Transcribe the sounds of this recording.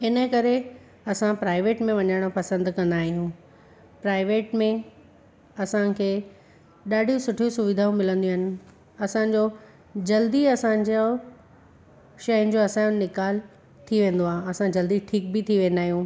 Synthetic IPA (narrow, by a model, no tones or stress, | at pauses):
ɪnə̆kɐɾe | ɐsãpɾaːɪʋeːʈmẽʋɐɲaːɪɽ̃opɐsə̃nd̪kɐ̃nd̪aːɦijũː | pɾaːɪʋeːʈmẽ | ɐsãkʰeː | ɗaːɖʱisʊʈʰijũsʊʋɪd̪ʱaːũmɪlə̃nd̪ijuɦɪnɪ̆ | ɐsãɲd͡ʑo | d͡ʑɐld̪iɐsãd͡ʑo | ʃɐjə̃n̆d͡ʑoːɐsãjʊ̃nɪkaːl | t̪ʰiʋẽːn̆d̪oaːɦẽɐsãd͡ʑɐld̪iʈʰiːk̚bɪt̪ʰiʋẽːnd̪aːɦijũː